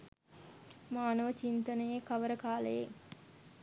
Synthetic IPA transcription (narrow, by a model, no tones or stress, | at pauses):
maːnəʋət͡ʃint̪ənəjekɐʋəɾəkaːləjḛ